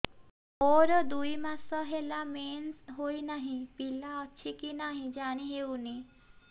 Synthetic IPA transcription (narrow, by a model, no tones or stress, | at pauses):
oɾd̪uimasɔɦelameːnsɦoinaɦĩpilaətːʃʰikinaɦĩd͡ʒaːɽ̃iɦeuni